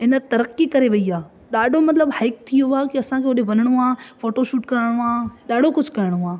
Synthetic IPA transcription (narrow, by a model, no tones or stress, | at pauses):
ɪnə̆t̪ɐɾəqikɐɾeʋɐiaː | ɗaːɖʱomɐt̪ləbhaɪk̚t̪ʰijoaːkiɐsãkʰeːʊɗeʋɐnɪɽ̃oaːfoːʈoʃuːʈkɐɾɪɽ̃oaːɗaːɖ̤ʱokʊd͡ʑʱʊkɐɾɪɽ̃oaː